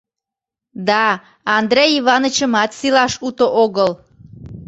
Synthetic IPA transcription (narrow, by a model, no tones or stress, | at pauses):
d̪ɑ | ɑnd̪rejiβɑnət͡ɕəmɑt̪silɑʃut̪oʔoɣəl